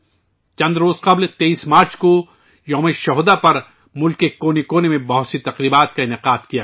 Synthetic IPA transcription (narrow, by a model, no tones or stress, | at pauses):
t͡ʃɐ̃nd̪ɾoːzqɐblt̪eiːsmaːɾt͡ʃko | jɐːmeʃɐɦd̪apɐɾ | mʊlkːekoːnikoːnemẽbɐɦʊt̪sit̪ɐqɾiːbaːt̪̚kaɪnɪqaːd̪kija